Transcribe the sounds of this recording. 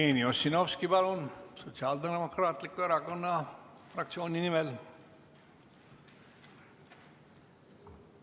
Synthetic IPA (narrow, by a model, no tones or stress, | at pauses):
eniosinoʋskibaɾunsot͡siaːld̪enemokɾaːt̪likːueɾakonːafɾaksʰjoːninimel